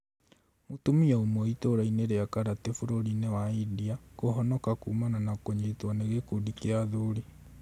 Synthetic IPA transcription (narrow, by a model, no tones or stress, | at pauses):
motumiaomɔitoɾaineɾeakaɾatefuɾoɾinewaidiakoɦɔnɔkakuːmananakoɲetwaneɣekudikeaðuɾi